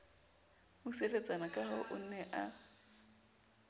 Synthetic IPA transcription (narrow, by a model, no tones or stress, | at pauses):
muselet͡sʼanakʼahɔʔʊn̩nɛʔa